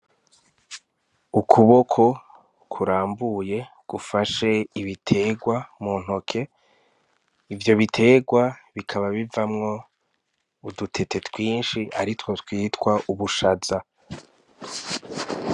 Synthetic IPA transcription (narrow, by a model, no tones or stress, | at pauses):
ukʰuβo̞kʰo̞ | kʰuɾaːmbuje̞ | ɡ̥ufaʃe̞iβitʰe̞ːɡwamuːn̥o̞kʰe̞ | ivjo̞βitʰe̞ːɡwaβikʰaβaβivamŋo̞ | udutʰe̞te̞tʰwiːnʃiʔaɾitwo̞twiːtwaʔuβuʃaza